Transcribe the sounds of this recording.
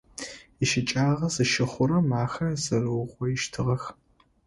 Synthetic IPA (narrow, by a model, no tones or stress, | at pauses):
iʃɪt͡ʃʼaːʁɐzɨʃɪχʷʊɾɐmaːxɐzɐrɨwʁʷɔɪʃtʰɨʁɐx